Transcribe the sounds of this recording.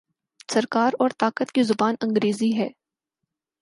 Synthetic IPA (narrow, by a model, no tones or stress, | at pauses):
sɐɾkaːɾɔːɾt̪aːkət̪kizʊbaːnɐ̃ŋɡɾeːziɦɛː